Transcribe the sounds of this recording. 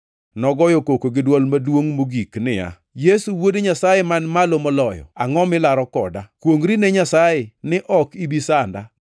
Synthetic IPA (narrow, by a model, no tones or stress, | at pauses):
nɔɡɔjokokoɡɪdwɔlmadwoŋmoɡiknɪja̰ | jesuwodeɲasajemanmalomɔlɔjɔ̰aŋɔmɪlaɾɔkɔ̰dakwoŋɾineɲasajenɪʔɔkibisanda